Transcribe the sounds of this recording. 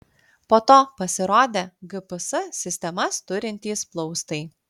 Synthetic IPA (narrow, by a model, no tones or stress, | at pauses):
poːt̪oːpɐsʲɪɾoːd̪ʲeːɡɨpɨsɐsʲɪsʲt̪ʲɛmɐst̪ʊɾʲɪnʲt̪ʲiːsplˠɔʊst̪ɐɪ